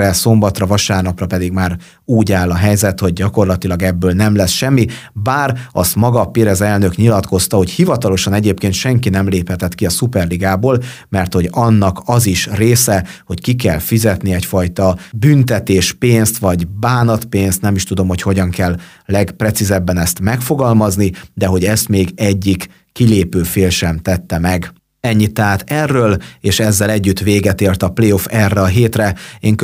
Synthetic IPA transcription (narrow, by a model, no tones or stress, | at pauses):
ɛso̞mbɒt̪rɒvɒʃaːrnɒprɒpɛd̪iɡmaːɾ | uːɟaːlɒɦɛjzɛt̪ho̞ɟ̚ːɒko̞rlɒt̪ilɒɡɛbːøːlnɛmlɛsʃɛmːibaːɾɒ̰st̪mɒɡɒpiɾɛzɛlnø̞kɲilɒt̪ko̞st̪ɒho̞chivɒt̪ɒlo̞ʃɒnɛɟeːpkeːnt̪ʃɛŋkinɛmleːphɛt̪ɛt̪kiɒsupɛrliɡaːboːlmɛrt̪ho̞ɟɒnːɒkɒziʃreːsɛho̞ckik̬ɛlfizɛt̪niɛcfɒjt̪ɒbynt̪ɛt̪eːʃpeːnst̪ʋɒɟbaːnɒt̪peːnst̪nɛmiʃt̪ud̪o̞mho̞cho̞ɟɒŋkɛlː | ɛɡprɛt̪sizɛbːɛnɛst̪mɛkfoɡɒlmɒznid̪ɛɦo̞ɟɛst̪meːɡɛɟːikː | ileːpøːfeːlʃɛmt̪ɛt̪ːɛmɛɡ | ɛɲːit̪ːɛɦaːt̪ɛrːøːleːʃɛzːɛlɛɟːyt̪ʋeːɡɛt̪eːrt̪ɒpleːofɛrːɛɒɦeːt̪rɛeːŋk